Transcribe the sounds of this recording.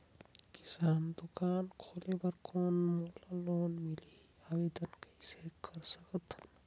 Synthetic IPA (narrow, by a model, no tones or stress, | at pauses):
kɪ̥saːnd̪ʊkaːnkʰoːlebɐɾkoːnmoːlaloːnmili | aːwid̪ənkɐiseːkʰɐɾsəkət̪n